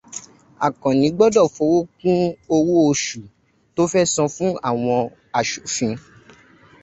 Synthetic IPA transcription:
a̰˨kɔ̃˨nĩ˨˦ɡ͡bɔ˦dɔ˦˨fɔ˨˦wo˦kũ˦o˧wo˦o˧ʃu˨ | to˦fɛ˦sɔ̃˧fũ˦a˦˨w̃ɔ̃˧ | a˨ʃu˨fĩ˧

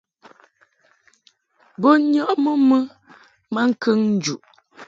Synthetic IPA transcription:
bo˦ɲɔ˦ʔmə˦mə˦ | ma˦ŋ̩˦kʰə˦ŋn̩˦d͡ʒu˨ʔ

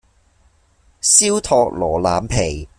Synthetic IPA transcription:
siː˥wt̪ʰɔː˧k̚lɔː˨˩laː˨mpʰe˨˩j

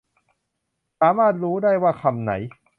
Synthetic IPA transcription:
saː˩˦maː˥˩t̪̚ɾuː˦˥daː˥˩jwaː˥˩kʰa˧˩mna̰˩˦j

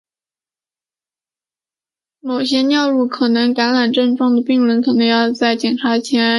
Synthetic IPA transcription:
mo˨˩ʊɕjɛ˥njɑ˥˧ʊɻu˥˩kʰɤ˨˩nɤ˧˥ŋka˧˥nɻa˨˩nʈ͡ʂɤ˥˧ŋʈ͡ʂwɑ˥˩ŋd̪ə˩pi˥˧ŋɻwə˧˥nkʰɤ˨˩nɤ˧˥ŋjɑ˥˧ʊt͡sa˥˩ɪt͡ɕjɛ˨˩nʈ͡ʂʰa˧˥t͡ɕʰjɛ˧˥n

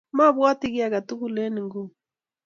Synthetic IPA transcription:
ma˦βwa˦ti˦ɣi˦a˨ka˨tu˦ku˦˨lɛ˦ni˨ŋɡu˦

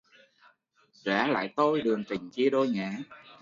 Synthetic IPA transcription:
za̰ː˧˥la̰ː˧˨jt̪o˧jɗɨ˨˩əŋt͡ɕ̪ï˨˩ŋ̟t͡ɕi˧əɗo˧jŋa̰ː˧˩˥

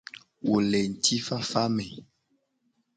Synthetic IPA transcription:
wo˨lɛ˨n̩˨tʰi˦fa˦fa˦mɛ˨

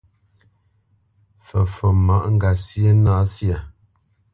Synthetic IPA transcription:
fə˨fə˨ma˨ʔŋ̩˦ɡa˨sjə˦naː˨˦sja˨

